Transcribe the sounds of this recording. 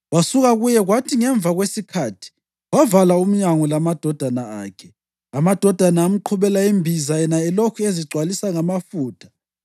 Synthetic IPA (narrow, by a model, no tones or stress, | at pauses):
wasuɣaɣujɛɣwatʰiŋɛɱb̪vʱaɣwesikʰatʰi̥ | wavalaum̩ɲaŋɔlamad̥ʱɔd̥ʱanaaːkʰɛ | amad̥ʱɔd̥ʱanaːm̩ǃʰuβɛlaimbʱizajɛnaɛlokʰueziǀʱwalisaŋamafuːtʰḁ